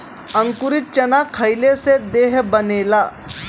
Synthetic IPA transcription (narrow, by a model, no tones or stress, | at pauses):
əŋkuɾit̪̚t͡ɕənakʰajlesed̪eɦbənela